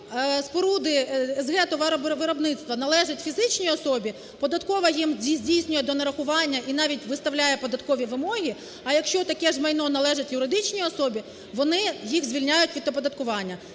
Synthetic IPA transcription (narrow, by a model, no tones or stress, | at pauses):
spɔɾud̪ɪɛzɦɛt̪ɔʋɐʋɪɾɔbnɪt̪st̪ʋɐnɐlˠɛʒɪtʲfʲizɪt͡ʃnʲiɔsɔbʲi | pɔd̪ɐt̪kɔʋɐjimdʲizʲdʲijsʲnʲʊjɛd̪ɔnɐɾɐxʊʋɑnʲːɐʔin̪ɑʋʲitʲʋɪst̪ɐwlʲajɛpɔd̪ɐt̪kɔʋʲiʋɪmɔɦʲi | ɐjɐkʃt͡ʃɔt̪ɐkɛʒmɐjnɔnɐlˠɛʒɪtʲjʊɾɪd̪ɪt͡ʃnʲiɔsɔbʲi | ʋɔnɪjixzʲʋʲilʲnʲajʊtʲʋʲid̪ɔpɔd̪ɐt̪kʊʋɑnʲːɐ